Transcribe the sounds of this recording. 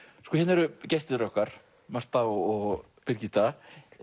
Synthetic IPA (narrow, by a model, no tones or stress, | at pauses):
skɔːçɛnɛɾʏcɛst̪ɪɾœhkaɾ̥ | mar̥t̪θaɔɔɣ | pɪɾcit̪a